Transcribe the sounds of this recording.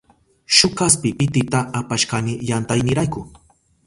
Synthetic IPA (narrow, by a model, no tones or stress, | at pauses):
ʃʊkaspɪpɪt̪ɪt̪aʔːpaʃkanɪjant̪ajnɪɾajkʊ